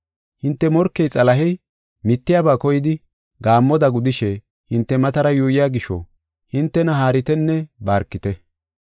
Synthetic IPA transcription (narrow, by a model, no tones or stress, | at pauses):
hɪnt̪ːɛmɔɾkːɛjt͡sʼɐlɐɦɛj | mɪt̪ːɪjaːbaːkɔjɪd̪ɪ | ɡaːmːɔd̪ɐɡʊd̪ɪʃɛ | hɪnt̪ːɛmɐt̪ɐɾɐjuːjɪjaːɡɪʃɔ̰ | hɪnt̪ːɛnɐɦaːɾɪt̪ɛnːɛbaːɾkːɪt̪ɛ